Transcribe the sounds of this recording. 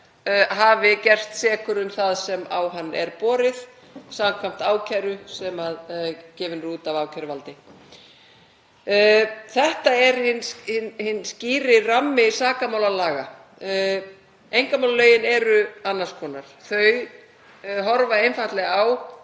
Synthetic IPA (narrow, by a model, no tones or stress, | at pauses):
ɦaːvɪcɛr̥st̪sɛːkʏɾʏnθaðsɛmawɦanːʔɛ̰ɾpɔːɾɪð | saːmkʰvam̥t̪aːwcʰajɾʏsɛmaðcɛːvɪnɾuːt̪avaːwcʰaɾʏvalt̪ɪ | θɛht̪aɛɾhɪnhɪnhɪnːsciːɾɪramːɪsaːkamaːwlalaːɣa | ejŋkamawlalœɥjɪnɛɾʏanːḁskʰɔːnaɾ̥θœɥ | ɦɔɾvaejnfat̪lɛɣaw